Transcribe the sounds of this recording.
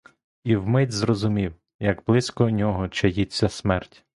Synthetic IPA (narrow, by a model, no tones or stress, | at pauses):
iwmɪdʲzrɔzʊmʲiw | jɐɡblˠɪsʲkɔnʲɔɦɔt͡ʃɐjit͡sʲːɐsmɛrtʲ